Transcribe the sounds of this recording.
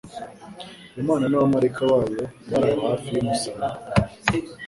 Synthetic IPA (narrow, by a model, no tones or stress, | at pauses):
umaːnanawamaɾekʰawaːjo̞βaɾajahaːfijomusaa